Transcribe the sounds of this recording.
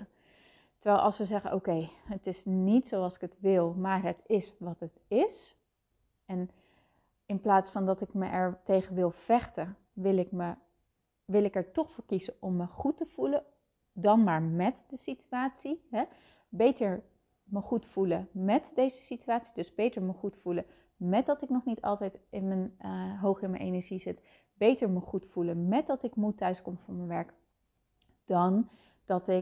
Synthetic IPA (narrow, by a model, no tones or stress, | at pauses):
təɹʋɛːlˠʔɑ̰lˠsʋəzɛχənʔo̰kejətɪsnitsowɑlˠsɪ̥kətʋɪlˠmaːrɦətɪsʋɑtətɪs | ɛn | ɪnplaːtsfɑndɑtɪkməʔɛɹtejχənʋɪlˠv̥ɛχtə | ʋɪlɪkmə | ʋɪlɪkɛɹtɔχfʊːɹkizəʔɔmːəχutəv̥ulə | dɑnmaːɹmɛtdəsityaːtsiɦɛ | bejtəɹ | məχutfuləmɛtdejzəsityaːtsidɵzbejtəɹməχutfulə | mɛd̚ɑtɪknɔχnitɑ̰lˠtɛjtɪnmənɦowχɪnmənʔḛjnəɹʒizɪt | b̥ejtəɹməχutfulənmɛt̚dɑtɪkmutœɥskɔmvʊːɹmənʋɛɹk | d̥ɑn | d̥ɑtɪ